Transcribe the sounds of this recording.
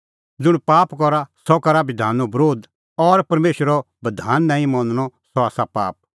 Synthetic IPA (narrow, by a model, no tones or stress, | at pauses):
d͡zʊɽ̃paːpkɔɾasɔkɐɾabɪd̪ʱaːnɔbɾoːd̪ | ɔɾpɐɾmeːʃəɾɔ | bɐd̪ʱaːnːãːĩmɔ̃nñɔsɔaːsapa̰ːp̚